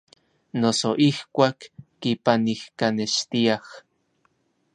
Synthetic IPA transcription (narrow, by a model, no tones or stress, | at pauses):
nosoʔihkʷaːkː | ipanihkaneʃt̪iah